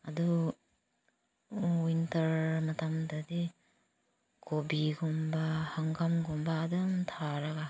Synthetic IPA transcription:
adu | wintɐɾmɐtamdɐdi | kʰobiɡumbahaŋɡamɡumbaːdɐmtʰaɾaɡa

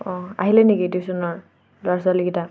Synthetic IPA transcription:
ɔ̃a̰ɦilɛnekidisɔnɔɹ | lʊas̬waliɡita

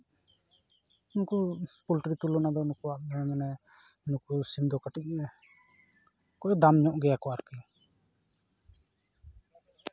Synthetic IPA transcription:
unkɔpulʈɾit̪ulɔnad̪ɔunukuaʔ̚lɛɽɛmanɛunukusimd̪ɔkaʈiʔ̚ɛ | kɔʔɔd̪amɲɔʔɡɛjakɔaɾki

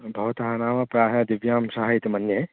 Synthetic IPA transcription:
bʱɐɦut̪ɐɦanaːmapɾaːɦad̪ɪʋjaːmsaɦaɪt̪mɐnjə

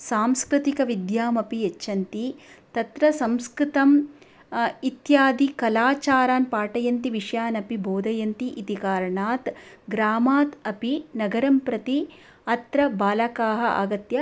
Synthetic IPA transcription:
saːmskɾɨt̪ikɐʋid̪jaːmɐpiet͡ʃːʃʰɐnt̪it̪ɐt̪ɾɐsɐmskɾit̪ɐm | it̪jaːd̪ikɐlaːt͡ʃaːɾaːnpaːʈɐjɐnt̪iʋiʂjaːnɐpibʱoːd̪ʱɐjɐnt̪iʔit̪ikaːɾɐɳaːt̪ɡɾaːmaːt̪ɐpinɐɡɐɾɐmpɾɐt̪i | ɐt̪ɾɐbaːlɐkaːɦɐʔa̰ːɡɐt̪jɐ

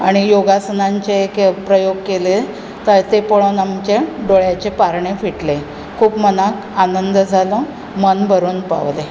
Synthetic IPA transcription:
aɽ̃ijoɡasənaɲt͡ɕeekpɾəjoɡkele | t̪ət̪epəɭonamt͡ɕeɖoɭjat͡ɕepaɾɳefiʈle | kʰuːpmənak | anənd̪əd͡zʱalɔ | mənbʱəɾuːnpa̰ʋle

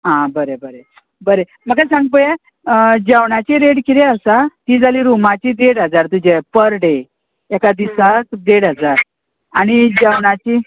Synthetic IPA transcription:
ɦãbəɾebəɾe | bəɾe | məɡ̚kajsãŋɡ̚pəjɛ | d͡ʑəwɳ̃at͡ɕiɾeɽkiɾɛəsat̪iːd͡zaliːɾumat͡ɕid̪eɽɦəd͡zaɾt̪ud͡ʑepəɾɽe | akad̪isakd̪eɽɦəd͡zaɾ | aɽ̃id͡ʑəwɳat͡ɕi

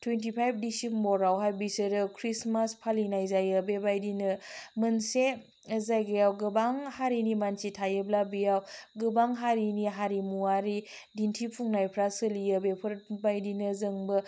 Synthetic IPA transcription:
tʰwentipʰajp̚ʰdisimbɔɾawɦajbisɯɾɯkʰɾismaspʰalinajzajəbebajdinɯmɯnse | zajɡejawɡɯbaŋhaɾinimant͡ʃitʰajɯblabijawɡɯbaŋɦaɾiniɦaɾimuaɾi | dintʰipʰuŋnajpʰɾasɯlijəbepʰɯɾbajdinɯzəŋbɯ

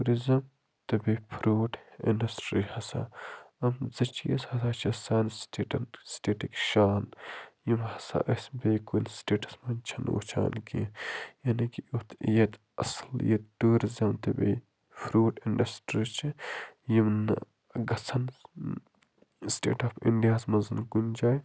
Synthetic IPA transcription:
uɾizɐm | t̪ɐbepʰɾoːʈḭɳɖɐsʈɾihɐsa̰ːɐmzɐt͡ʃʰijɐ̰shɐsaːt͡ʃʰɐsaːnsʈiːʈɐnsʈeːʈikʃaːnjimhɐsa̰ːʔəsbeːkunsʈeːʈɐ̥smɐnt͡ʃʰɐno̰ːt͡ʃʰa̰ːnkijɐnikiut̪ʰjet̪ | ɐsljet̪t̪uːɾzʲamt̪ɐbʲḛj | fʰɾuːʈinɖɐsʈɾit͡ʃʰijimn | ɡɐt͡sʰɐn | sʈḛːʈaːpḭɳɖijaːsmɐnzɨnkunʲd͡ʒaːj

